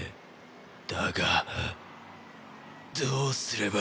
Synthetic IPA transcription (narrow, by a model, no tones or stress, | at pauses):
d̪̥aɡa | d̪oːsɨɾe̞ba